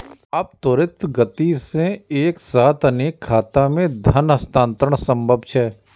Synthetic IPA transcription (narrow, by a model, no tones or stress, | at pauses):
əp̚t̪oːɾɪt̪ɡət̪isẽeːksaːt̪ʰəneːkʰːaːt̪amẽd̪ʱənɦɐst̪ãːnt̪ɾəɽɳ̃sə̃mbʱəbt͡ʃʰɛː